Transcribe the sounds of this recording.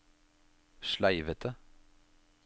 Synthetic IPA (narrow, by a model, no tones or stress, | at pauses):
ʃlæɪʋət̪ʰə